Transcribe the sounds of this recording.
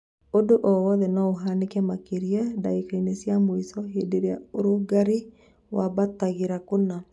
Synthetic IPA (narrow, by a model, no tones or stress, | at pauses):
odoʔɔwɔðɛnaoɦanekɛmakeɾiɛdaikainesjamoisɔɦedeɾea̰oɾoɡaɾi | waβataɣeɾakona